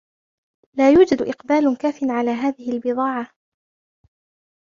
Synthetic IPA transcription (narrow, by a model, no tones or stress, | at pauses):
laːjuːd͡ʒad̪ʔɪqbaːlkaːfɪnʕalaːɦaːðɪhɪalbɨðˤɑːʕa